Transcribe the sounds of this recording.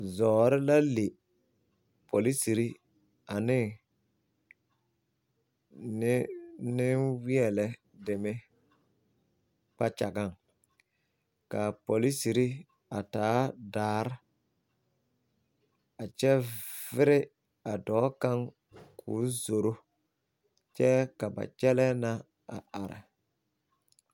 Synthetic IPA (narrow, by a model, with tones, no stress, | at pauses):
zɔː˨ɾɪ˦la˦le˨ | pʰo˨li˦si˨ɾi˦ | a˨nɪ˦ | nɪ˦nɪ˦nwɪ˦ɛ˨lɛ˦ | dɪ˨mɪ˦ | k͡pa˦t͡ʃa˨ɡa˦˨ŋ | ka˨po˨li˦si˨ɾi˦ | a˨taː˨˦daː˨˦˨ɾɪ˦ | a˨t͡ʃɛ˦vɪ˦ɾɪ˦ | a˨dɔː˨˦ka˦ŋ | kʰṵː˨˦zo˨ɾo˦ | t͡ʃɛ˦ka˨ba̰˨t͡ʃɛ˦lɛ˦na˦ | a̰˨a˨ɾɪ̰˨